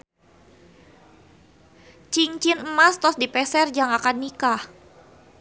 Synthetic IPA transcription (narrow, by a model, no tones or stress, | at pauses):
t͡ʃiŋt͡ʃinəmast̪ɔsdipɛsɛrd͡ʒaŋakanːikah